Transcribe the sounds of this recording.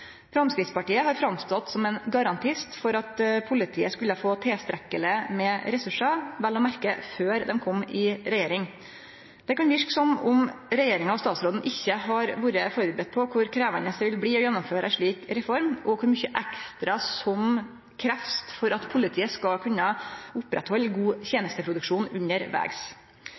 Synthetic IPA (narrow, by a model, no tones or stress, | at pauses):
fɾɑmskɾɪd̪spɑʈiːəhɑɾfɾɑmst̪ɔt̪ːsɔmɛnɡɑɾɑnt̪ʰɪst̪fɔɾɑt̪pʰʊlɪt̪ʰiːəskʉlːəfoːt̪ʰeːst̪ɾɛkːələmɛːɾɛsʉʂɑʋɛlːɔmæɾkəføːɾd̪ɛmkʰɔmːɪɾɛjeːɾɪŋ | d̪̥ɛkɑnb̪ɪʂksɔmʊmɾɛjeːɾɪŋɑɔst̪ɑːt̪sɾoːd̪n̩ʔɪçːəhɑɾʋuːɾəfoːɾɪbɾɛt̪̚pʰɔkʰʊɾkʰɾeːʋənəsʋɪlbliːɔjɛnːʊmføːɾəæʂɭiːkɾɛfɔɾmʔɔkʰʊɾmʏçəʔækst̪ɾɑsɔm | kʰɾæft̪fɔɾɑt̪pʰʊlɪt̪ʰiːəskɑkʰʉnːəʊpɾɛ̰t̪hɔlːɡuːçjeːnəst̪əpʰɾʊd̪ʉkʂuːnʉnəɾʋæ̰ːɡs